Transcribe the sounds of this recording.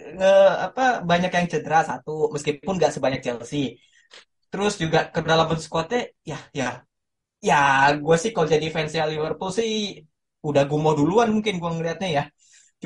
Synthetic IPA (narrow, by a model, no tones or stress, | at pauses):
əa̰pabaɲakjaŋt͡ʃəd̪əɾasat̪uməskipʊnɡaʔsəbaɲak̚t͡ʃɛlsɪh | t̪əɾʊsd͡ʒuɡakədalamansə̥kot̪ɛ | jahja | jaɡuasɪhkalod͡ʒadifɛnsialivərpulsɪh | udahɡuamoduluanmuŋkɪnɡuaŋəliɦat̪̚ɲaja